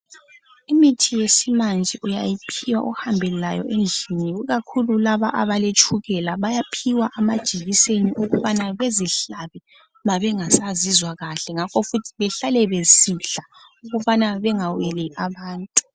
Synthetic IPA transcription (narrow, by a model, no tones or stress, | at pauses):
imitʰijesimand͡ʒʱɛʔujajipʰiwa̰ʔuhambʱɛllajɔ̰ʔend͡ɮʱiniuɣakʰululaβaʔaβalet͡ʃʰʼuɣɛlaβajapʰiwaʔamad̥ʒ̥ʱiɣiseniʔuɣuβanaβeziɬaβɛ | maβɛŋasazizwaɣaɬɛŋakʰɔfutʰi̥βɛɬalɛβesiɬa | uɣuβanaβɛŋawɛliʔaβaːntʼu̥